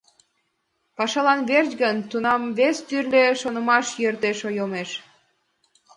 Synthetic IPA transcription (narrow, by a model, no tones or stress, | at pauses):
pɑʃɑlɑnβert͡ɕɡənt̪unɑmβest̪yrleʃonəmɑʃjørt̪eʃojomeʃ